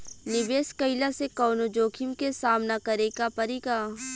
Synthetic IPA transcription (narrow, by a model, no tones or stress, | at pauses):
nɪbeːskəɪlasekɔːnod͡ʒoːkʰɪmkesaːmnakɐɾekapɐɾikaː